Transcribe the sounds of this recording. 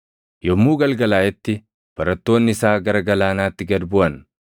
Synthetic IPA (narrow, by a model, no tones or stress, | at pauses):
jɔmːuːɡɐlɡɐlaːjɛt̪ːɪ | b̥ɐɾɐt̪ːo̞ːnːɪɪsaːɡɐɾɐɡɐlaːnaːt̪ːɪɡɐd̪bʊɐn